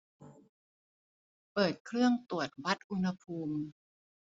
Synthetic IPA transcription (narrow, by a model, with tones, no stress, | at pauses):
pɤː˨˩t̪̚kʰɾɯ˥˩əŋt̪u˨˩ət̪̚wa˦˥t̪̚ʔu˧nha˧pʰuː˧m